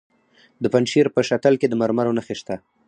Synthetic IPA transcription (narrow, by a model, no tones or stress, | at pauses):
d̪əpanʃiɾpəʃat̪alked̪əmaɾmaɾonaxeʃt̪a